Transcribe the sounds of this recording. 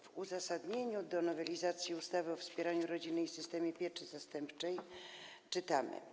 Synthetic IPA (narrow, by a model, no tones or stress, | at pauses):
vuzasad̪ɲeɲud̪ɔnɔvɛlʲizat̪sʲjiust̪avɘɔfspʲjɛɾaɲuɾɔd͡ʑinːɘjsɘst̪ɛmʲjɛpʲjɛt͡ʂɘzast̪ɛmpt͡ʂɛjt͡ʂɘt̪amɘ̰